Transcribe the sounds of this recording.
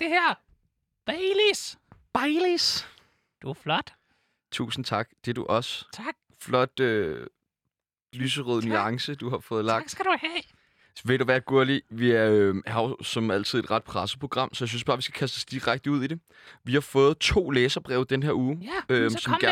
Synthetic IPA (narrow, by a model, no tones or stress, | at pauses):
d̥e̝hæɐ̰ | b̥ɛɪlisb̥ɑɪlis | d̥uflɒd̥ | t͡sʰṵːsn̩t͡sʰɑ̈ɡ̥̚d̥e̝ɐd̥uʔɒ̽st͡sʰɡ̥ | flɒ̽d̥ø | lyːsəʁøːðˠnyɑ̈ŋsəd̥uɦɑ̈fɔ̽ːð̩ˠlɑ̈ɡ̥sɡ̥æd̥uhɛ | ʋeɾ̥uʋæɐɡ̥uɐ̰liʋiæɐøhɑ̈sɒ̽mæl̰t͡sʰið̞̰ˠe̝̥ʁɑ̈d̥pʰʁasəpʰʁo̝ɡ̥ʁɑ̈m̰sɒjäsynsb̥ɑ̈ːʋisɡ̥æ̥kʰæs̬d̥ɒsd̥iʁaɡ̥d̥əuð̞̰ˠide̝ | ʋihɑ̈fɔ̽ːð̞̩ˠt͡sʰo̝̰ːleːsɐb̥ʁɛːʊd̥enɦeɐ̰uːøsɒm